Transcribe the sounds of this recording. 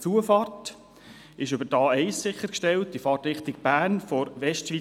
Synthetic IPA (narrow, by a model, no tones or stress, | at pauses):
t͡suəfɑrt | ɪʃʏbəɾdɑːɛɪssɪχːəɾkʃtɛltdifɑːrtɾɪχt̪ɪɡb̥æːnfɔɾʋɛʃtʃʋi